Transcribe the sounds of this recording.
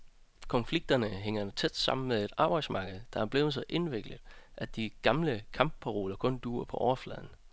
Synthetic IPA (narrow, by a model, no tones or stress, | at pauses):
kʰɒ̽nfliɡ̥̚d̥ɐnəɦeŋ̰ɐt͡sʰed̥sɑ̈m̰n̩meðˠe̝d̥ɑ̈ːb̥ɑ̈ɪdsmɑ̈ːɡ̥əð̞̩ˠd̥ɑ̈ɒ̽b̥le̝ʊl̩ˠsɑʔe̝nʋeɡ̥ləðˠʔæd̥iɡ̥ɑ̈mləkʰɑ̈mb̥̚pʰæʁo̝̰ːlɐkʰɔ̽nd̥uːɐpʰɒ̽ʔɒʊɐflɛ̰ð̞̰ˠn̩